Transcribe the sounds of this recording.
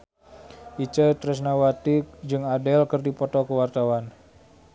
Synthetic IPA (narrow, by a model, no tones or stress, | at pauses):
it͡ʃət̪ɾɛs̬nawat̪id͡ʒɨŋadɛlkərdipɔt̪ɔkəwart̪awan